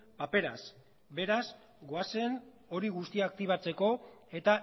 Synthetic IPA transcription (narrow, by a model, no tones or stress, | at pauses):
pape̞ɾas | be̞ɾas | ɡoase̞n | o̞ɾiɣust̪iaːk̚t̪iβ̞at͡se̞ko̞e̞t̪a